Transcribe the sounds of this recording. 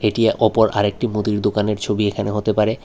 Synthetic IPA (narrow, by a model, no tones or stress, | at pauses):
eʈieʔɔpoɾa̰ɾek̚ʈimud̪iɾd̪okaneɾt͡ɕʰobiekʰaneɦot̪epaɾe